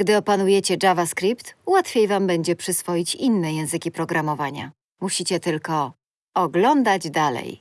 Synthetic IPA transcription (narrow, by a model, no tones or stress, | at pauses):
ɡd̪ɘɔpanujɛt͡ɕɛd͡ʐavaskɾʲipt̪wat̪fʲejvambɛɲd͡ʑɛpʂɘsfɔjit͡ɕinːɛjɛ̃w̃zɘkʲipɾɔɡɾamɔvaɲa̰ | muɕit͡ɕɛt̪ɘlkɔ | ɔɡlɔnd̪ad͡ʑd̪alɛ̰j